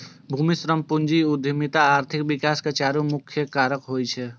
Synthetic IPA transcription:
bʱumisɾəmpʊnd͡ʒiʊd̪ʱimit̪aaːɾt̪ʰɪkbɪkaːskat͡ʃaːɾumʊkʰːjəkaːɾəkɦoːjt͡ʃʰɛ

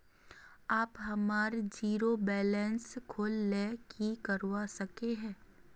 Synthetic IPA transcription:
aːpɦɐmaːɾd͡ʒiːɾobɛːlɛ̃nskʰoːlːekʰikɐɾwasɐkeɦɛ̃ː

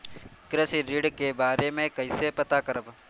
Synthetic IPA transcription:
kɾəsiɾiɖkebaːɾemẽkɐɪsepɐt̪akɐɾəb

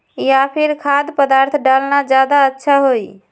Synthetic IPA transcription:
ijapʰiɾkʰad̪pəd̪aɾt̪ʰɖalnad͡ʒad̪aətːʃʰaɦoj

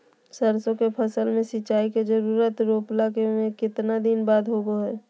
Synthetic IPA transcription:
səɾsõkepʰəsəlmẽsɪt͡ʃaːiked͡ʒəɾuːɾət̪ɾoːplakemẽkɪt̪nad̪inbaːd̪ɦoɡoɦɛː

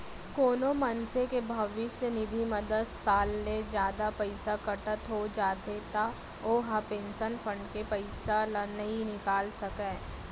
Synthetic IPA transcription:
koːnomɐnsekebʱɐʋɪʃsenɪd̪ʱimɐd̪əd̪saːlːed͡ʒjaːd̪apɐɪsakɐʈət̪ɦod͡ʒaːt̪et̪a | oːɦapẽːnʃənfʰə̃ɳɖkepɐɪsalnɐɦĩnɪkaːlsɐkẽː

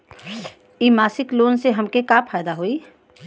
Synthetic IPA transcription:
iːmaːsɪkloːnseɦɐmkekapʰaːjd̪aɦoiː

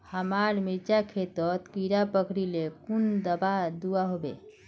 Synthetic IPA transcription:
həmaɾmiɾt͡ʃakʰet̪ət̪kiɾapəkʰɽilekund̪əbad̪uaɦobḛ

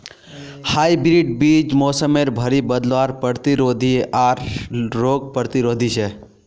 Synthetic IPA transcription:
haːibɾiʈ̚biːd͡ʒmɔːsəmeɾbʱəɾibəd̪lʋaːɾpɾəɾt̪iɾoːd̪ʱiʔaːɾːoːɡ̚pəɾt̪iɾoːd̪ʱiʃe

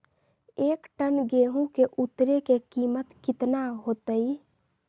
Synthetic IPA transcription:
eːkʈənɡeːɦũkeʔut̪ːɾekekiːmət̪kɪt̪naɦoːt̪əi

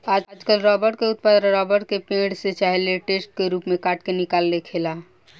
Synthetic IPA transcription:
ad͡ʒad͡ʒkəlɾɔbəɾʈkeut̪̚pad̪ɾaɾɔbəɾʈkepẽɽset͡ʃaɦeleʈesʈ̚keɾupmekaʈkenikalːekʰela

